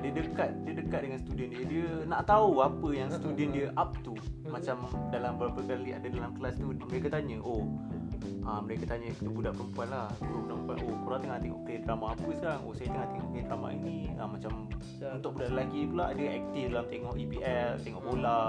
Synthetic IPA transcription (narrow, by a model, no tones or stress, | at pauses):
diədəkat̪̚diədəkat̪̚dəŋanst̪udiəndiədiənaʔt̪auapəjaŋst̪udəndiəʔap̚t̪u | mat͡ʃamdalambəɾapəkalia̰dadalamklast̪uməɾekat̪aɲə̃ʔo | ʔəməɾekat̪aɲə̃it̪ubudaʔpəɾəmpuanlaht̪uɾupəɾəmpua̰nʔokuɾat̪əŋat̪eŋɔ̰ʔklind̪ɾamaːpəsə̥kaɾaŋʔo̰sajət̪əŋat̪eŋɔ̰ʔklind̪ɾama̰ʔḭnĩə̰mːat͡ʃam | unt̪ʊʔbudaʔlaɡipulaʔadəʔɛk̚t̪ifdalamt̪eŋɔʔipiʔɛlt̪eŋɔʔbola